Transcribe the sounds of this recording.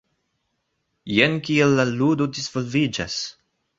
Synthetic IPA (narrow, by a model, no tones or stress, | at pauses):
jenkielːaludodizvolvid͡ʒa̰s